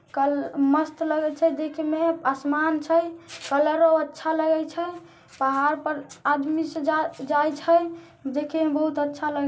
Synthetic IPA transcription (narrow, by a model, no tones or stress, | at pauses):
kəməst̪ləɡɛt͡ʃʰɛd͡ʒekʰemeasmant͡ʃʰəjkələɾoətːʃʰaləɡɛjt͡ʃʰɛ | pəɦaɾpəɾad̪misə̃d͡ʒad͡ʒajt͡ʃʰəj | d͡ʒekʰemebəɦut̪ətːʃʰaləɡɛ